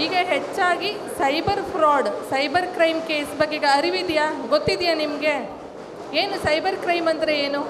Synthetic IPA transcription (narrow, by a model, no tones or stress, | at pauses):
iːɡɐɦet͡ʃːaːɡisɐjbɐɾpʰɾaːɖsɐjbɐɾkɾɐjmke̞ːsbɐɡːeiɡɐɐɾiʋid̪jaːɡot̪ːid̪jaːnimɐɡe̞ | eːnusɐjbɐɾkɾɐjmɐnd̪ɐɾeeːnu